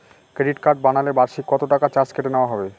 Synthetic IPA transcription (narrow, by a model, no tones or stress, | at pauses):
kɾeɖiʈkaɾɖ̚banalebaɾʃikːɔt̪oʈakat͡ɕat͡ɕkeʈeneoaɦɔbe